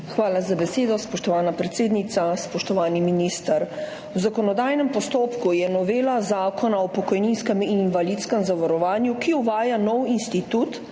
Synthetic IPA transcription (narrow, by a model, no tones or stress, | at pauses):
xʋaːlazabɛseːd̪ɔspɔʃt̪ɔʋaːnapɾɛt̪seːd̪nit̪saspɔʃt̪ɔʋaːniminist̪əɾ | wzakɔnɔd̪aːjnɛmpɔst̪oːpkujɛnɔʋeːlazaːkɔnaɔpɔkɔjninskɛmininʋalit̪skɛmzaʋaɾɔʋaːnjukiuʋaːjanɔwinst̪it̪ut̪